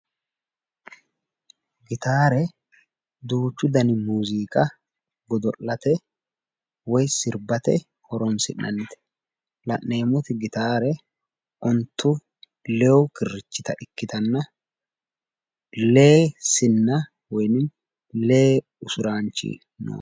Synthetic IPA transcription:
ɡɪt̪aːɾɛ | d̪uːt͡ʃːʊd̪ɐnɪmuːziːkʼɐ | ɡɔd̪ɔʔɐt̪ɛ | wɔjsɪɾbɐt̪ɛ̰ | hɔɾɔnsɪnʔɐ̰nːɪt̪ɛ̥ | lɐʔːe̞ːmɔt̪ɪɡɪt̪aːɾɛ | ʔɔnt̪ːʊ | lɛwʊkɪrːɪt͡ʃːɪt̪ɐʔɪkːɪt̪ɐnːɐ | leːsɪnːɐ | wɔjnɪn | leː | ʊsʊɾaːnt͡ʃːḭ | no̰ː

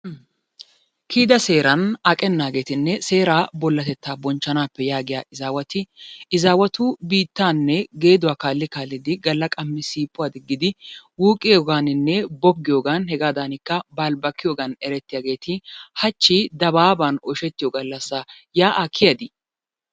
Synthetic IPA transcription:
kʰiːd̪ɐse̞ːɾɐnɐkʼɛnːaːɡe̞ːt̪ɪnːɛse̞ːɾaːbɔlːɐt̪ɛt̪ːaːbɔnt͡ʃːɐnaːpːɛjaːɡɪjaːʔɪzaːwɐt̪ɪɪzaːwɐt̪uːbiːt̪ːaːnːɛɡe̞ːd̪ʊwaːkaːlːɪkaːlːɪd̪ɪɡɐlːɐkʼɐmːɪsiːpʼːʊwaːd̪ɪɡːɪd̪ɪwuːkʼɪjoːɡaːnɪnːɛbɔb̚ɡɪjoːɡɐnhɛɡaːd̪aːnɪkːɐbaːlbɐkːɪjoːɡɐnɛɾɛt̪ːɪjaːɡe̞ːt̪ʰɪhɐt͡ʃːid̪ɐbaːbaːnɔʃɛt̪ːɪjoːɡɐlːɐsːa | jaːʔakʰːɪjɐd̪ɪ

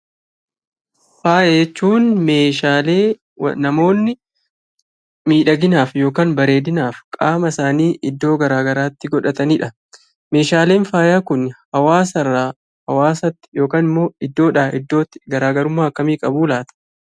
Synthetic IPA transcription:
faːjet͡ʃːuːnme̞ːʃaːlḛː | nɐmo̞ːnːɪ | miːᶑɐɡɪnaːfjo̞ːkaːnbɐɾe̞ːd̪ɪnaːfkʼaːmɐsaːniːʔɪd̪ːo̞ːɡɐɾaːɡɐɾaːt̪ːɪɡɔᶑɐt̪ɐniːᶑɐ | me̞ːʃaːle̞ːnfaːjaːkʊnhɐwaːsɐrːa | hɐwaːsɐt̪ːjo̞ːkaːnɪmːo̞ːɪd̪ːo̞ːᶑaːɪd̪ːo̞ːt̪ːɪ̥ɡɐɾaːɡɐɾʊmːaːɐkːɐmiːkʼɐbuːlaːt̪ɐ̥

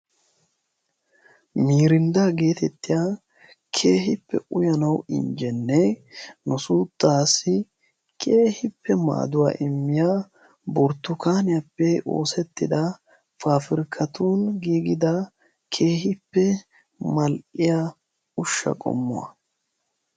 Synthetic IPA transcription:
miːɾɪnd̪aːɡe̞ːt̪ɛt̪ːɪjaː | kʰe̞ːhɪpːɛ̰ʔʊjɐnɐwɪ̰ɲd͡ʒɛnːɛnʊsuːt̪ʼːaːsɪ | kʰʼeːhɪpʰːɛma̰ːd̪ʊwa̰ːʔɪmːɪjaː | bɔɾt̪ːʊkaːnɪjɐpːɛʔo̞̰ːsɛt̪ːɪd̪ɐ | faːfɪɾkʰɐt̪uːnɡiːɡɪd̪ɐ | kʰe̞ːhɪpːɛ | mɐlʔɪja | ʊʃːɐ̰kʼɔ̰mːʊ̰wɐ̰

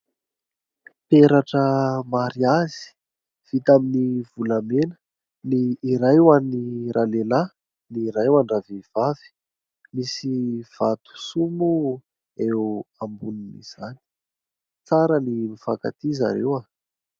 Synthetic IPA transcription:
peɾaʈ͡ʂəmaɾiazi̥i̥ | v̥it̪aminiv̥ulamenə̥ | niːɾajwaniɾʔanela | niɾajwaɳɖ͡ʐavev̥av̥i̥ | misiv̥at̪u̥sumu | eambuninḭz̥ani̥ | t͡saɾənimifaka̰t̪iza̰ɾḛwa

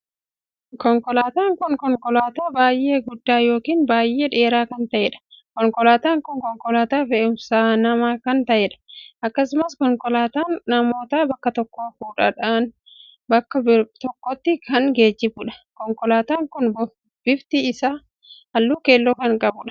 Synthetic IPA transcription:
kɔŋkɔlaːt̪aːŋkʊnkɔŋkɔlaːt̪aːbaːjʔe̞ːɡʊd̪ːaːjo̞ːkiːnbaːjʔe̞ːᶑe̞ːɾaːkɐnt̪ɐʔɛːᶑɐ̥kɔŋkɔlaːt̪aːŋkʊŋkɔŋkɔlaːt̪aːfɛʔʊmsaːnɐmaːkɐnt̪ɐʔɛᶑɐ̥ʔɐkːɐsʊmɐskɔŋkɔlaːt̪aːnnɐmo̞ːt̪aːbɐkːɐt̪ɔkːoːfuːᶑɐᶑaːn | bɐkːɐbt̪ɔkːɔt̪ːɪkʰɐnɡe̞ːd͡ʒːɪbʊᶑɐ̥kɔŋkɔlaːt̪aːŋkʊnbɔ | b̥ɪbt̪ɪɪsaː | ɐlːuːke̞ːlːoːkɐŋkʼɐbʊᶑɐ̥

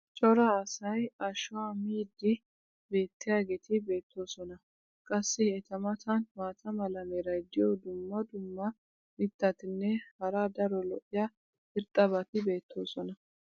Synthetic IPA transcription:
t͡ʃʼɔɾɐːsɐjɐʃʊwaːmiːd̪ɪ | be̞ːt̪ːɪjaːɡeːt̪ʰɪbe̞ːt̪ʰːo̞ːsɔnɐ | kʼɐsːɪɛt̪ɐmɐt̪ʰɐnmaːt̪ʰɐmɐlɐmeɾɐjd̪ɪjɔd̪ʊmːɐd̪ʊmːɐ | mɪt̪ːɐt̪ɪnːɛhɐɾad̪ɐɾɔlɔʔɪja | ɪɾt̪ʼːɐbɐt̪ɪbe̞ːt̪ʰːo̞ːsɔnɐ

